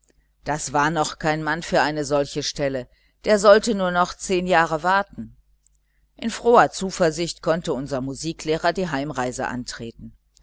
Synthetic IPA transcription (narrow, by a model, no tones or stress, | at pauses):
d̥asv̥aːɐnɔχkʰaɪnmanfyːɐʔaɪnəzɔlçəʃtɛlə | d̥eːɐzɔltənuːɐnɔχt͡seːnjaːʁəvaɐtn̩ | ʔɪnfʁ̥oːɐt͡suːfɐɐzɪçtkʰɔntəʊnzɐmuziːkleːʁɐdiːɦaɪmʁaɪzə̰ʔa̰ntʁ̥ḛːtn̩